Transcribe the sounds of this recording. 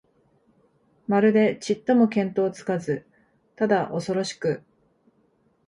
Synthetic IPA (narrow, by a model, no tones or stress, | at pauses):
maɾɯ̟d̪e̞t͡ɕit̪ːo̞mo̞kẽ̞nt̪o̞ːt͡sɨ̥kazɨ | t̪ad̪aʔo̞so̞ɾo̞ɕi̥kɯ̟